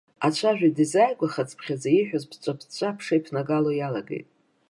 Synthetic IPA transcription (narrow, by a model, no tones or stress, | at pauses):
at͡ɕʷʰaʒᶣʷadizajɡʷaχat͡sʼpʰχʲazaiħʷᶣozpʰt͡sʷʼapʰt͡ɕʷʼapʰʂejpʰnaɡalo̞jalaɡḛjtʼ